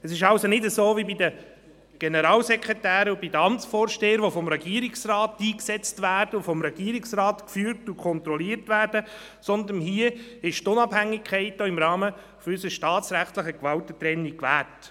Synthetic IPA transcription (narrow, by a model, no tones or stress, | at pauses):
əsɪʃɑwsonɪdəsoːvibidə | ɡ̥ɛnəɾɑːlsɛkʁɛtæːɾəubidəɑmt͡sfɔːɾʃteːəɾʋofɔmɾɛɡiːɾiksrɑːtːiːksɛt͡stvæːɾd̥əufɔmɾɛɡ̥iːəɾɪksrɑːt̪kfyːɾtukʰɔnt̪ɾɔliːɾtʋæːɾd̥ə | sɔnd̪ənɦiːəɪʃtʊnɑbhæŋːɪkʰχɛɪt̚d̥ɔːɪmɾɑːmə | fɔysəʃtɑːtt͡sɾæχtləχəkʋɑwtətɾɛnːikʋæːt